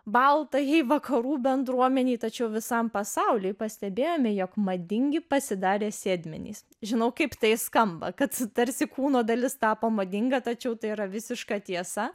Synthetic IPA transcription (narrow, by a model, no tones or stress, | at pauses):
bɐlˠt̪ɐjɛɪʋɐkʰɐɾuːbʲɛnd̪ɾuɔmʲɛnʲiːt̪ɐt͡ʃʲɛʊʋʲɪsɐmpɐsɐʊlʲɪːɪpɐsʲt̪ʲɛbʲeːjoːmʲɪjokmɐd̪ʲɪŋʲɡʲɪpɐsʲɪd̪ɑːɾʲeːsʲeːd̪ʲmʲɪ̰nʲḭːs | ʒʲɪnɐʊkɐɪpt̪ɐɪskɐmbɐ̰kɐt̪t̪ɐɾʲsʲɪkuːnoːd̪ɐlʲɪst̪ɑːpoːmɐːd̪ʲɪŋɡɐt̪ɐt͡ʃʲɛʊt̪ɐɪiɾɐʋʲɪsʲɪʃkɑt̪ʲiɛsɐ